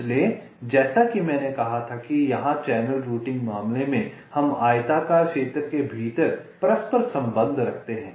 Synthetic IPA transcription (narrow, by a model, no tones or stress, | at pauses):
le | d͡ʒɛːsakimɛ̃ːnekɐɦat̪ʰakijɐɦãt͡ʃɛːnəlɾuːʈɪ̃ŋɡmaːmlemẽ | hɐmaːjt̪aːkaːɾkʃeːt̪ɾkebʱiːt̪əɾpɾɐspəɾsɐ̃mbə̃nd̪ʱɾɐkʰt̪eɦɛ̃ː